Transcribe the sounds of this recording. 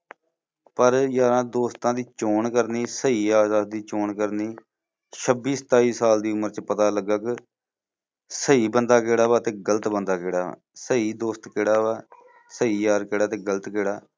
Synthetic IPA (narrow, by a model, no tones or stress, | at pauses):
pəɾjaːɾãːd̪oːst̪ãːd̪iːt͡ʃoːɳkəɾniːsəiːaːzaːd̪d̪iːt͡ʃoːɳkəɾniː | ʃʰəbiːsə̥t̪aːiːsaːld̪iːʊməɾt͡ʃpət̪aːləɡːək | səiːbənd̪aːkeːɽaːʋaːt̪ẽːɡələt̪bənd̪aːkeːɽa̰ː | səiːd̪oːst̪kɪːɽaːʋaː | səiːjaːɾkeːɽaːt̪ẽːɡələt̪keːɽaː